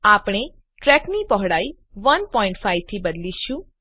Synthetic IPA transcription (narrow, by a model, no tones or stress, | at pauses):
aːpɽ̃e | ʈɾɛknipɔɦɽaːi | ʋənpɔːɪ̃ɳʈfʰaiʋt̪ʰibəd̪liʃũ